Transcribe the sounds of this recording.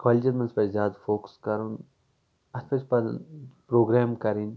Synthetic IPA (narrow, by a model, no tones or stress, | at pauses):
kʋaːliʈʲimɐ̃nspɐzʲjaːd̪foːkskɐɾun | ɐt̪ʰpʰɐspɐpɾoːɡɾɛːmkɐɾin